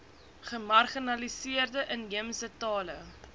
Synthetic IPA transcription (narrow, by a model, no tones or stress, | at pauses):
χəmɐrχinɐlisiərdəʔənjimsətɑːlə